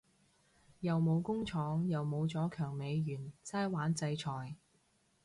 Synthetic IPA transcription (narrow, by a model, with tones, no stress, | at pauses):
jɐ˨wmo˨˧wkʊ˥ŋt͡ʃʰɔː˨˥ŋjɐ˨wmo˨˧wt͡sɔː˨˥kʰœː˨˩ŋme˨˧jɥyː˨˩nsaː˥jwaː˨˥nt͡sɐ˧jt͡ʃʰɔː˨˩j